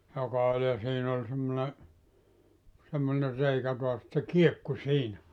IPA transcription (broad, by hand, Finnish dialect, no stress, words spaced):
jokɑ olʲ jɑ siːn ol semːone semːone reikæ toɑs et se kiekːu siːnæ